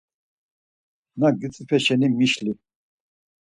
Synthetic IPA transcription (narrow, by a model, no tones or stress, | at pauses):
naɡit͡sʼipʰɛʃɛnimiʃli